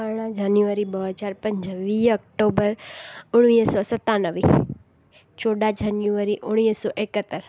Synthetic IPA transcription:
əɽ̃ãd͡ʒanjuəɾibəɦt͡ʃaɾpəɲd͡ʒəʋiək̚ʈobəɾʊɽ̃ʋisɔsət̪ːanəʋḭ | t͡ʃoɽad͡ʒanjuʋaɾiʔʊɽ̃isɔʔekət̪əɾ

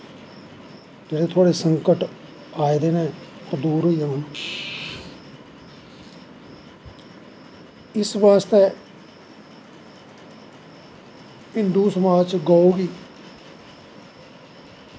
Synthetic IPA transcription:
d͡ʒeːɽeːt̪ʰoaːɽeːsəŋkəʈ | aːid̪eːnɛ̃ːt̪əd̪uːɾɦoiːjamən | ɪsbaːst̪eː | ɦɪnd̪uːsəmaːd͡ʒt͡ʃɡaːuːɡiː

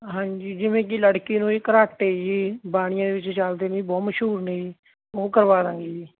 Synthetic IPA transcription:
ɦãːɲd͡ʒiːd͡ʒɪʋẽːk̬ɪləɽkiːnũːekəɾaːʈeːd͡ʒiːbaːɽɪjãːd̪eːʋɪt͡ʃt͡ʃald̪eːnĩːbɔːtməʃɦuːɾnei | oːkəɾʋaːɾãːŋɡiː

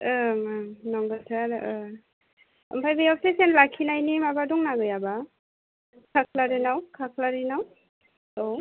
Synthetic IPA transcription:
ɯmanɔŋbɯtʰaɾɯ | ɯ̰mpʰajbejɔp̚sesenlakʰinajnimabadɔŋnaɡɯjaba | kʰakʰlaɾinawkʰakʰlaɾinaw | ow

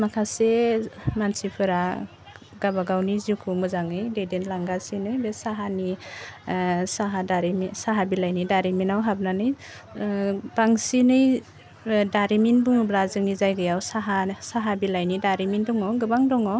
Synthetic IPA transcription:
makʰasemansipʰɯɾa | ɡabaɡawnizukʰɯmɯzaŋɯjdedenlaŋɡasinɯjbesaɦani | saɦadaɾimisaɦabilajnidaɾiminawɦab̚nanɯj | b̥aŋsinɯj | daɾiminbuŋɯbɾazɯŋnizajɡɯjawsaɦasaɦabilajnidaɾimindɔŋɔɡɯbaŋdɔŋɔ

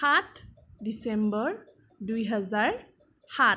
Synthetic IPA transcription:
at | disembɔɹ | dujɦʌzaɹ | ha

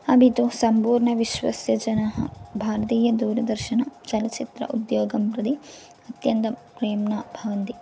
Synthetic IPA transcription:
ɐbit̪usɐmpuːɾɳɐʋiʃʋɐ̰sjɐd͡ʒɐnɐɦɐ̰bʱaːɾɐt̪iːjɐd̪uːɾɐd̪ɐɾʃɐnɐt͡ʃɐlɐt͡ʃit̪ɾɐ̰ʔud̪joːɡɐmpɾɐd̪i | ɐt̪jɐnt̪ɐpɾeːmnabʱɐʋɐnt̪i

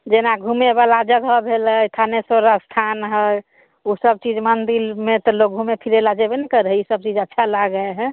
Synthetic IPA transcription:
d͡ʒenaɡʱumebalad͡ʒəɡɦɔbʱelət̪ʰanesoɾast̪ʰanɦɛ | usəb̚t͡ʃid͡ʒmənd̪ilmet̪ɔlok̚ɡʱumepʰiɾelad͡ʒebenɛkəɾɦɛisəb̚t͡ʃid͡ʒətːʃʰalaɡəeɦɛ

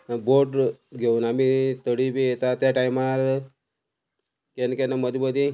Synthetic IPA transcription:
boʈɡʱeuːnamit̪əɽibʱijet̪at̪jaʈaimaɾ | kenkenaməd̪ibəd̪i

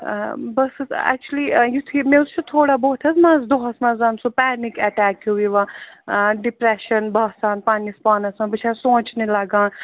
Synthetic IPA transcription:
bɐsɛ̰k̚t͡ʃulijut̪ʰimẽust͡ʃʰut̪ʰoːɽaboːt̪ʰɐzmãːzd̪oɦɐsmɐzaːnsupɛːnikɛʈɛːkjuiʋã | ɖipɾeʃɐnbɐsaːnpanispaːnɐsmãbɨt͡ʃʰasõːt͡ʃnilɐɡãːn

